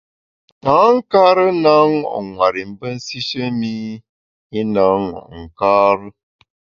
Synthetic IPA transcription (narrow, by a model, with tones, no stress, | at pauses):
taː˨˦ŋ̩˦ka˦ɾə˦na˦ŋɔ̰˨ʔŋwa˨ɾi˨m̩˨˦bə˦n̩˦si˦ʃə˦mi˦ | i˦na˨˦ŋɔ̰˨ʔŋ̩˨kaː˦ɾə˦